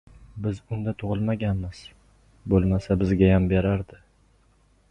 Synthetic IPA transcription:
bɪzʊnd̪at̪ʰʊʁɨlˠmaɡʲanmɪz̥ | bolˠmasabɪzɡʲajambeɾaɾd̪ɪ

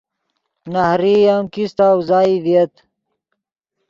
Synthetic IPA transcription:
nahɾijamkist̪awzaːiviet̪

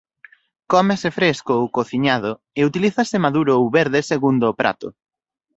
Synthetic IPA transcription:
kɔmesefɾeskoowkoθiɲaðʊ | eut̪iliθɐsɪmaðuɾʊowβeɾðeseɣund̪ʊːpɾʔa̰t̪ʊ̰

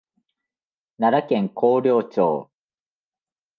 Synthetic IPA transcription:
naɾakẽ̞ŋkʰo̞ːɾʲo̞ːt͡ɕo̰ː

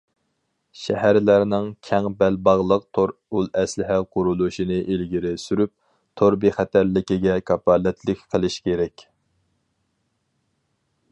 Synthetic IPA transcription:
ʃɛɦæɾlæɾnɪŋkʲʰɛŋbɛlbɑʁlˠəq̚t̪ʰoɾulˠɛslɪɦæqʰʊɾulˠuʃinɨʔelɡʲiɾɪsyɾyp̚ | t̪ʰoɾbiχæt̪ʰæɾlɪkʲɪɡʲɛkʰɑpɑːlɛt̪ʰlɪkʲqʰəlˠɪʃkʲʰeɾɛkʲ

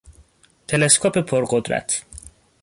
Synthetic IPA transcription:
t̪ʰeleskʰɔpʰepʰoɾɢod̪ɾæ̰t̪ʰ

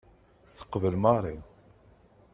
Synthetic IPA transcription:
θə̥qːvəlmɑɾˤi

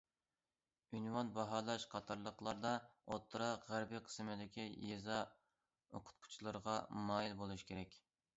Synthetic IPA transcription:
ynwɑnbɑɦɑːlˠɑʃqʰɑt̪ʰɑɾlˠəqlˠɑɾd̪ɑo̰t̪ʰːɾɑʁæɾbiqʰə̥smɪd̪ɪkʲʰijezɑ | oqʰʊ̥t̪̚qʰu̥t͡ʃʰilˠɨɾəʁɑmɑːjilbolˠuʃkʲʰeɾɛkʲ

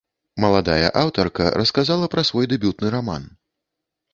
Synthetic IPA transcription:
mɐlˠad̪ajɐ̰ʔawt̪ɐrkɐ̰ɾɐskazalˠɐpɾɐsvɔjd̪ɛbʲut̪̚nɨɾama̰n

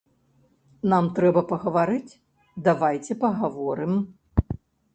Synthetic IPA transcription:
namt̪ɾɛbɐpɐɣɐvaɾɨt͡sʲ | d̪avajt͡sʲɛpɐɣavɔɾɨm

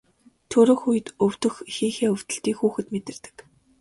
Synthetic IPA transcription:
t̪ʰɵɾɵ̆ːxujɘ̆t̪ɵw̥t̪ɵ̆xxiːŋxeːɵw̥t̪ɵ̆ɬt̪iːkxuːxɘ̆t̪met̪ɘ̆rt̪ɘ̥̆k

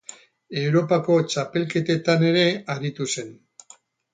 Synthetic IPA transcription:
e̞wɾo̞pako̞t͡ʃape̞lke̞t̪e̞t̪ane̞ɾe̞aɾit̪use̞n

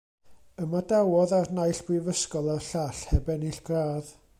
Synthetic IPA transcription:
əmadawɔðarnajɬb̥wɪvəskɔlˠarɬaɬhɛbɛniɬɡ̥raːð

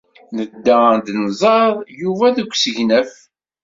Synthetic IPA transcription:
nəd̪ːand̪nzˤɑðˤjuvæðəɡʷsəʝnəf

